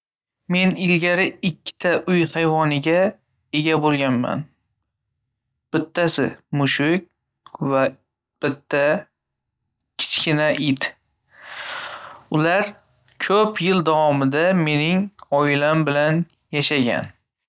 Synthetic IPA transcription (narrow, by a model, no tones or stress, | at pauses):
me̞nɪlɡʲaɾɪɪkʲʰːɪ̥t̪ʰaʔʊjhajvɒnɪɡʲa | e̞ɡʲabolˠɡʲanma̰n | b̥ɪt̪ʰːasɪ̰mʊʃʊk̚ʲ | va | b̥ɪt̪ʰːa | kʲʰɪ̥t͡ʃkʲɪnaʔɪt̪ | ʊlaɾ | kʰɵpʰjɪld̪avɒmɪd̪ame̞nɪŋɒɪlambɪlan | jaʃaɡʲa̰n